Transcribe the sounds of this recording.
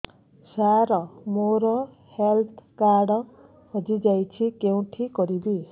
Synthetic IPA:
saɾʌmoɾʌ | helt̪ʰkaɽʌ | ʌd͡zid͡zajt͡sʰikew̃ʈʰikʌɾib̪i

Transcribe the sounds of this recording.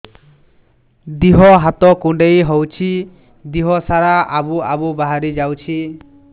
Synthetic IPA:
d̪iɦɔɦat̪ɔkuɳɖejɦɔwt͡ʃʰi | d̪iɦɔsaɾaʔabuabubaɦaɾid͡ʒawt͡ʃʰi

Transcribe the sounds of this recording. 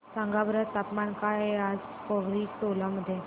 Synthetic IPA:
saŋɡabɾət̪t̪ːapmankaɦead͡z | pəʋɾiːkt̪olaməd̪ʱːje

